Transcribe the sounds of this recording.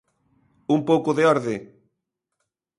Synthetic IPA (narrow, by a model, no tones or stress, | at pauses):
umpowkʊðeɔɾðɪ